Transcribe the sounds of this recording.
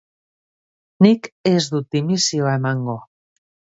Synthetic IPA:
nikezðut̪ːimisjoemaŋɡo

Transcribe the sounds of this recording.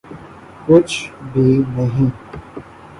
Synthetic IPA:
kʊt͡ʃʰbʱinəɦĩ

